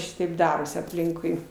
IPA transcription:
ˈʃʲɪtɐɪp ˈdɑːroːsʲɪ ɐpʲˈlʲɪŋkʊɪ

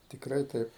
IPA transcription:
tʲɪkˈrɐɪ ˈtɐɪp

